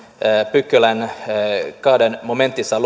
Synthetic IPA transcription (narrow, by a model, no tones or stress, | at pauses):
pʉkːələn | kɑːd̪ənmʊmɛnt̪ɪsɑl